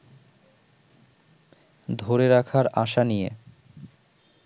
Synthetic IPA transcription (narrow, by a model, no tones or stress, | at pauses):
d̪ʱoɾeɾakʰaɾaʃanije